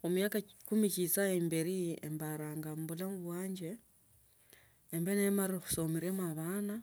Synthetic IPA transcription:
o̞mujaːkakumicit͡saembeɾiḛmbaɾaːŋɡambulamuβwaːɲɟe | mbenemaɾioxu̥somiɾemaβana

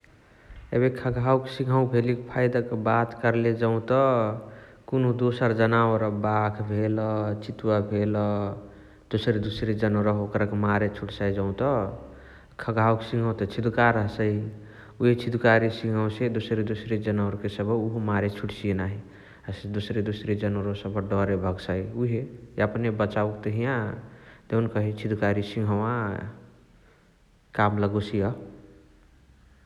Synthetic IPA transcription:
ḛbekʰəɡʱawksiɡʱaũbʱelikpʰajd̪akebat̪kəɾled͡ʒəũt̪ɔ | konud̪osəɾd͡ʒənawəɾbakʰbʱelɔt͡ʃit̪wabʱelɔ | d̪osɾed̪usɾed͡ʒənɾəɦokɾəkemaɾet͡ʃʰuʈsad͡ʒəũt̪ɔ | kʰəɡʱawksiɡʱə̃w̃t̪ɔt͡ʃʰid̪ukaɾəɦsəi | uɦet͡ʃʰid̪ukaɾisĩŋɡʱəwsed̪usɾed̪usɾed͡ʒənəwɾkesəbuɦumaɾet͡ʃʰuʈsienaɦi | sd̪usɾed̪usɾed͡ʒənwəɾosəbəɖɔɾebʱəɡsauɦeəpnebət͡ʃauk̚t̪eɦijãd̪eunkəɦit͡ʃʰid̪ukaɾisĩŋɡʱəwã | kamləɡosijə

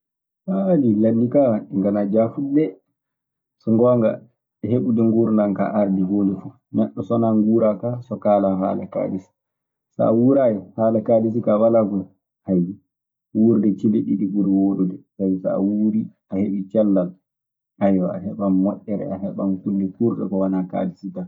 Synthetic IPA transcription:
saadilanːikawaiŋɡanad͡ʒafudɛ | sɔŋɡɔːŋɡa̰ | ɛheɓudɛŋɡuɾnanka̰ʔaɾdiɡoːlɛfu | nɛɗːɔsɔnaŋɡuːɾakasɔkaːlaɦa̰laka̰dis | sa̰awuɾajɛhaːlakadis̬ikawalaɡɔ | haji | wuɾdɛt͡ʃiliɗiɗiɡuɾiwoɗudɛsajisa̰a̰wuɾiʔaheɓit͡ʃɛlːal | ajwa̰aɦɛɓamːɔɗːɛɾɛ̰aɦɛɓankuldɛkuɾɗɛ̰kɔwanaka̰disita

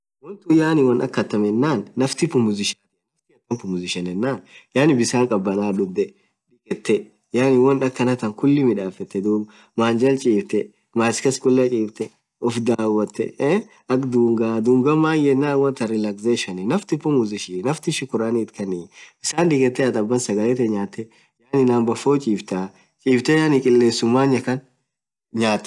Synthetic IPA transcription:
wɔnt̪ʊjaːnɪwɔnɐ̰kːɐt̪ːɐmɛnːaːnːɐft̪ɪpːʊmʊzɪʃat̪ɪɐt̪ɪɐt̪ːɐmpʊmʊzɪʃɐnɛnːaːnjaːnɪbɪsaːŋkʼɐbːɐnaːᶑʊbd̪ɛ | ᶑɪkʼɛt̪ːɛ | jaːnɪwɔnɐkːɐnɐt̪ɐŋkʊlːɪmɪᶑaːfɛt̪ːɛd̪uː | maːnd͡ʒɐlt͡ʃʼiːbt̪ɛ | maːskɐskʼʊlːɐt͡ʃʼiːft̪ɛ | ɔfd̪aːwːɐt̪ːɛ̰ | ɐkd̪uːŋɡaːd̪uːŋɡɐmːaːjɛnːawɐnt̪ɐɾɪlakseːʃɐnɪnɐft̪ɪpːɔmuzɪʃiːnɐft̪ɪʃɪkʊɾaːniːt̪kɐniɪsaːnᶑ̪ɪkʼɛt̪ːɛɐt̪ɐbːɐnsɐɡɐlɛt̪ɛɲaːt̪ːɛ | jaːnɪnaːmbɐfoːt͡ʃʼiːft̪aː | t͡ʃʼiːft̪ɛjaːnikʼɪlːeːnsʊmːaːɲːɐkɐn | ɲaːt̪ːɛ̥

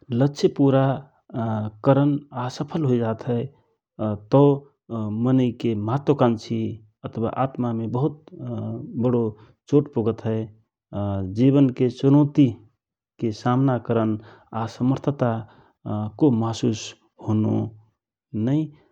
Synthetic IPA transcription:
ləːʃʰepuɾa | kəɾənasəpʰəlɦoid͡ʒat̪ɦəɪ | t̪ɔ | mənəɪkemɦat̪əkant͡ʃʰi | ət̪ʰwa̰ʔat̪mamebəɦut̪̚ | bəɽo | t͡ʃoʈpoɡət̪ɦəɪ | d͡ʒiβənket͡ʃunot̪i | kesamnakəɾən | asəməɾt̪ʰət̪a | komasus | hono̰ | nəɪ

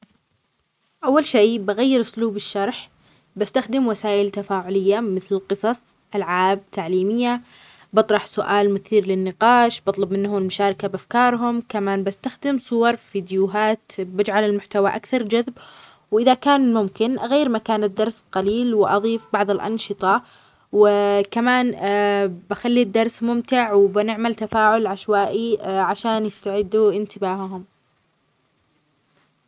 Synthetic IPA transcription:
ʔawːalʃeːbaɣajːɪɾʊsluːbɪʃːɑɾˤħ | bast̪axd̪ɪmwasaːʔɪlt̪afaːʕʊlɪjːamɪθlɪlqɨsˤɑsˤ | ʔalʕaːb̚t̪ʰaʕliːmɪjːa | bɨt̪ˤɾˤɑħsʊʔaːlmʊθiːɾlɪnːɪqɑːʃbɑt̪ˤlɑbmɪnːhʊmɪlmʊʃaːɾˤɪkabʔafkɑːɾˤɦʊmkamaːnbast̪axd̪ɪmsˤʊwɑɾˤfiːd̪juɦaːt̪bɪd͡ʒʕalɪlmʊħt̪awaʔakθɑɾˤd͡ʒaðb | wʔɪðakaːnmʊmkɪnʔaɣejːɾmakaːnɪd̪ːɑɾˤsqɑliːlwɪʔɑðˤiːfbɑʕðˤɪlʔɑ̰nʃɨt̪ˤɑ | wɪkamaːn | baxalːid̪ːɑɾˤsmʊmt̪ɪʕwɪbɪnɪʕmalt̪afaːʕʊlʕaʃwaːʔiʕaʃaːnjɪst̪aʕɪd̪ːuʔɪnt̪ɪbaːhɦʊm

